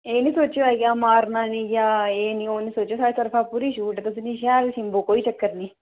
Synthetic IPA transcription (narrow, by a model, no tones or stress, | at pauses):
eːnisoːt͡ʃːiʋaːɡijaːmaːɾnaːniɡjaːeːnioːnisoːt͡ʃːosaːit̪ɐɾfaːpuɾiʃuːʈt̪ɐsuniʃaːlsimboːkoːit͡ʃɐkːɐɾni